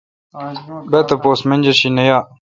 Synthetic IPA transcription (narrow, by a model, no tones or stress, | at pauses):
bet̪ɐpoːsmend͡ʑɐɕinɐjaː